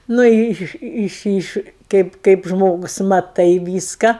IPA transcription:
nʊ ˈɪ ˈɪʃ ˈɪʃ ˈɪʃ ˈkɐɪp kɐɪp ˈʒmoːɡʊs mɐˈtɐɪ ˈʋʲiːskɐ

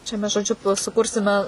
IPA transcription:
t͡ʃʲɛ ˈmʲɛs ʒoːˈd͡ʒʲʊ tuɔj sʊˈkʊrʲsʲɪmʲɛ

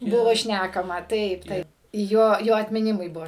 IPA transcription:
ˈbʊʋoː ˈʃʲnʲækɐmɐ ˈtɐɪp ˈtɐɪp ˈjoː ˈjoː ɐtʲmʲɪˈnʲɪmʊɪ ˈbuɔ

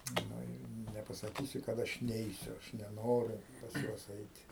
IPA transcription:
ˈnʊ ɪ nʲɛpɐsɐˈkʲiːsʲɪ kɐt ˈɐʃ ˈnʲɛɪsʲʊ ɐʃ nʲɛˈnoːrʲʊ pɐs ˈjuɔs ˈɛɪtʲɪ

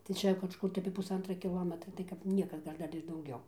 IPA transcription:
tɐɪ ˈt͡ʃʲɛ kɐʃˈkʊr tɐɪ ɐpʲiɛ pʊsˈɐntrɐ kʲɪˈlˠoːmʲɛtrɐ tɐɪ kɐp ˈnʲiɛkɐ ˈɡɐlʲ ˈdɐr ɪr dɐʊˈɡʲɛʊ

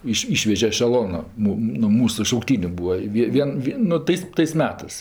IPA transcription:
ˈiːʃ ˈiːʃʲʋʲɛʒʲɛ ɛʃʲɛˈlˠoːnʊ ˈmʊ nʊ ˈmuːsʊ ʃɐʊkˈtʲiːnʲʊ ˈbuːɐ ɪ ˈʋʲiɛ ˈʋʲiɛn ˈʋʲɪ nʊ ˈtɐɪs tɐɪs ˈmʲæːtɜs

